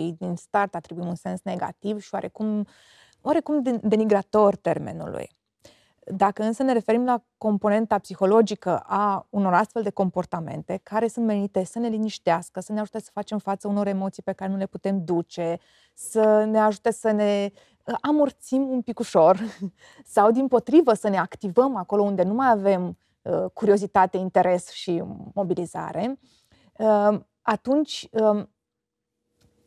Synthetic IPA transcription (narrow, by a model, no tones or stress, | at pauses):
ijd̪inst̪art̪at̪ɾibuimunse̞nsneɡa̰t̪ivʃioa̰ɾe̞kum | wʔaɾe̞kumd̪e̞niɡɾat̪o̞rʲt̪e̞rme̞̰nṵlṵj | d̪akəɨnsəne̞ɾe̞fe̞ɾimlako̞mpo̞ne̞nt̪apsixo̞lo̞d͡ʒikəʔauno̞ɾast̪fe̞ld̪e̞ko̞mpo̞rt̪ame̞̰nt̪e̞kaɾe̞sunt̪me̞nit̪e̞səne̞liniʃt̪easkəsəne̞aʒut̪esə̥fat͡ʃe̞mfat̪səuno̞ɾe̞mo̞t̪sijpe̞kaɾe̞nule̞put̪e̞md̪ut͡ʃe̞ | səne̞aʒut̪e̞səne̞ | əʔamort̪simumpikuʃo̞r | sawd̪impo̞t̪ɾivəsəne̞akt̪ivəmako̞lo̞und̪enumajave̞m | əkuɾio̞zit̪at̪e̞int̪e̞ɾe̞sʃimo̞biliza̰ɾe̞ | ə | at̪unt͡ʃʲə